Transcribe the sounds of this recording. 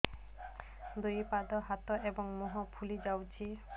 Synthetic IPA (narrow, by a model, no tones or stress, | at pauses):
d̪ujpad̪ɔɦat̪ɔʔebɔŋmɔɦɔpʰulid͡ʒawt͡ʃʰi